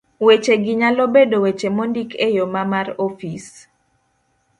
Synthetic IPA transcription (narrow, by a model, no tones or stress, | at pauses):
wet͡ʃeɡɪɲalobedowet͡ʃemondikʰejomamaɾofis